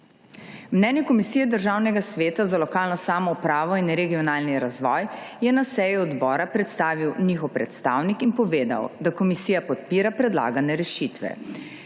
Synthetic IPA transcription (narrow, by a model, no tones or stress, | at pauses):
mnɛːnjɛkɔmisijɛd̪əɾʒaːwnɛɡasʋeːt̪azalɔkaːlnɔsaːmɔupɾaːʋɔinɾɛɡijɔnaːlniɾazʋɔːjjɛnasɛjuɔd̪bɔːɾapɾɛt̪st̪aːʋiwniːxɔwpɾɛt̪st̪aːwnikinpɔʋeːd̪a̰wd̪akɔmisijapɔt̪̚piːɾapɾɛd̪la̰ːɡanɛɾɛʃit̪ʋɛ̰